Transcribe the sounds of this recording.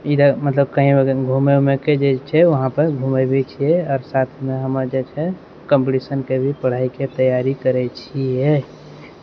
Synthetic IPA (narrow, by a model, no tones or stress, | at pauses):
id̪əmət̪ləb̚kəɦĩmeɡʱumemeked͡ʒet͡ʃʰɛʋəɦãpəɾɡʱumebʱet͡ʃʰiɛɔːɾsat̪ʰmeɦəməɾd͡ʒet͡ʃʰɛ | kə̃mpʈisənkebʱipəɽ̤aiket̪əjaɾikəɾɛt͡ʃʰiɛ